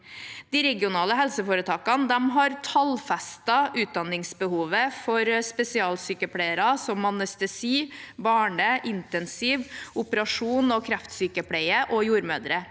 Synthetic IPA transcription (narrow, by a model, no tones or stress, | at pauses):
d̪̥ɪːɾɛɡɪʊnɑːləɦɛlsəfoːɾət̪ʰɑːkɑnd̪ɛmɦɑɾt̪ʰɑlfɛst̪ɑʔʉːt̪̚d̪ɑnːɪŋsbəhuːʋəfɔɾspɛsɪɑːlsyːkəpʰleɪəɾɑsɔmɑnœst̪əsiːbɑːɳəʔɪnt̪ɛnsɪʋʊpəɾɑʂuːnɔkʰɾæft̪syːkəpʰɽæɪəʔɔjuːɾmøːd̪ɾə